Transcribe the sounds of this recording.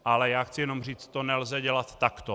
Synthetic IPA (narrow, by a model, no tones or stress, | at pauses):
ʔalɛjaːxt͡sɪjɛno̞mr̝iːt͡s̪t̪onɛlzɛɟɛlat̪ːakt̪o